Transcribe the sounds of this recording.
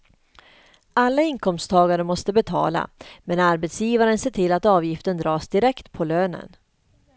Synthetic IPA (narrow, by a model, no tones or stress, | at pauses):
ʔalːaɪnkʰɔmst̪ʰɑːɡaɾəmɔst̪əbɛt̪ʰɑ̰ːla̰mɛnaɾbɛt̪sjiːvaɾənseːʈʰɪlːat̪ɑːvjɪft̪ənd̪ɾɑːsd̪ɪɾɛkt̪pʰɔløːnə̰n